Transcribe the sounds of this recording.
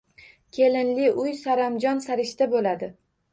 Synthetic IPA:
kʲʰe̞lɪnlɪʊjsaɾamd͡ʒɒnsaɾɪʃt̪abolad̪ɪ

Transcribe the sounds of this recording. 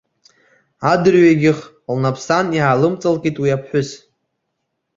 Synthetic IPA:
adɨrɥaɡʲɪχ | lnapʰsanjiʕalɨmt͡sʼalkʼitʼwiapʰħʷᶣʊs

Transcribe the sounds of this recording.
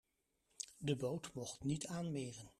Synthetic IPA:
dəbowtmɔχtnitaːnmɪːrən

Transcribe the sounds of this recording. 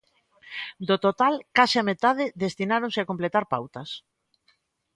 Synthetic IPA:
d̪ot̪ot̪alkasɪamet̪aðɪðest̪inaɾõnsɪakomplet̪aɾpawt̪ɐs

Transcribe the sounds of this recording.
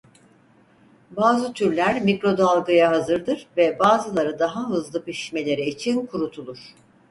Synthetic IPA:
baːzɯt̪ʰyɾlʲæɾmikɾo̞d̪alˠɡɯjaɦazɯɾd̪ɯɾvɛbaːzɯlˠaɾɯd̪aɦaɦɯzlˠɯpiʃi̥ʃme̞lʲe̞ɾiit͡ʃʰinkʰuɾut̪ʰulˠuɾ̥

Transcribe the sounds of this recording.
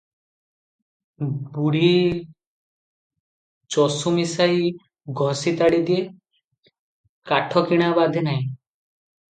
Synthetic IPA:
buɽi | t͡ʃɔsumisaj | ɡʱɔsit̪aɽid̪ije | kaʈʰɔkiɽ̃abad̪ʱenaj̃

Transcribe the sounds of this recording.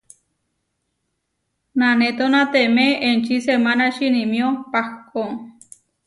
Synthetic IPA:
nanet̪onãt̪emeent͡ʃisemanaʃinimiopahko

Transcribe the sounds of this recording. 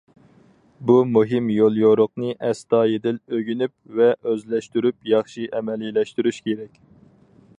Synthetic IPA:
bumuɦɪmjolˠjoɾoq̚nɨʔɛst̪ɑːjed̪ɪløɡʲynyp̚vɛʔøzlɛʃt̪yɾypjɑχʃiʔɛmɛlilɛʃt̪yɾyʃkʲʰeɾɛkʲ

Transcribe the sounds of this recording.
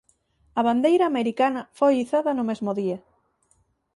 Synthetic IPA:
ɐβ̞and̪ejɾɐːmeɾikanɐfojiθaðɐnʊmezmʊðiɐ

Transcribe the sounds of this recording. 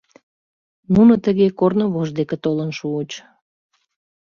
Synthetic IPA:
nunət̪əɣekornoβoʒd̪eket̪olənʃuːt͡ɕ

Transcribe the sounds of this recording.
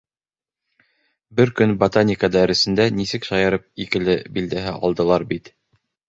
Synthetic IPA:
bɘɾkɵnbɐt̪anʲikad̪æɾɘ̆sɘ̆nd̪ænisɘkʃɑjɑɾɤp̚ikɘ̆lɘbild̪æɦɘʔɑ̰lˠd̪ɤ̆lˠɑɾbit̪

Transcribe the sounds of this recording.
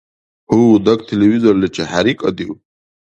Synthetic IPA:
uudakʼtʰelevizorlɨt͡ʃʰaħaɾikʼad̪iwʼ

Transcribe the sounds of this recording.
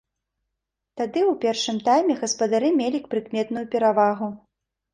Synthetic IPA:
t̪ad̪ɨwpʲɛrʂɨmt̪ajmʲɛɣɐspɐd̪aɾɨmʲelʲikpɾɨkmʲɛt̪nujupʲɛɾavaɣu

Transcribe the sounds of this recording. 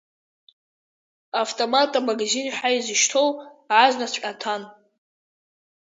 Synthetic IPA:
avtʼomatʼamaɡzinħʷaizɨʃtʰo̞wʕazʷnasʷʲʼatʰan

